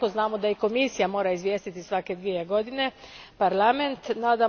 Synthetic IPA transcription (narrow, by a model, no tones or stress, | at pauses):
oznaːmod̪aiko̞misijamo̞ːɾaizʋjeːst̪it̪isʋake̞d̪ʋijeɡo̞d̪ine̞paɾlament̪naːd̪a